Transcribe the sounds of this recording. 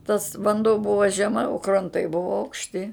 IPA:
tɐs ʋɐnˈduɔ ˈbʊʋoː ʒʲɛˈmɐ oː krɐnˈtɐɪ ˈbʊʋoː ɐʊkʃʲˈtʲɪ

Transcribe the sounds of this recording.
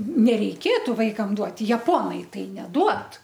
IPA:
nʲɛrʲɛɪˈkʲeːtʊ ˈʋɐɪkɐm ˈduɔtʲɪ jɛˈpoːnɐɪ ˈtɐɪ nʲɛˈduɔt

